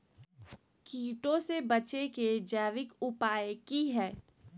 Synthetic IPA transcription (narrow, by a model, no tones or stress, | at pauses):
kiːʈõsebɐt͡ʃeked͡ʒɛːʋɪkʊpaːjekiɦɛː